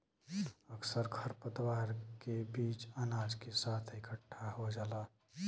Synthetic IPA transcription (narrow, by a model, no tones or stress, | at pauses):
əksəɾkʰəɾpət̪waːɾkebiːt͡ʃaːnaːd͡ʒkesaːt̪ʰɪkəʈʰːaɦod͡ʒaːlaː